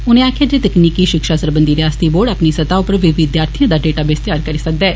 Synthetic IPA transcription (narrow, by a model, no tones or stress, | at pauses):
ʊnẽːaːkʰjaːd̪eːt̪əkniːkiːʃɪkʃaːsəɾbə̃nd̪iːɾeaːst̪iːboːɖapniːsət̪aːʊpəɾʋɪʋɪd̪jaːɾt̪ʰijãːd̪aːɖeːʈaːbeːst̪ɪjaːɾkəɾiːsək̚d̪ɛɛː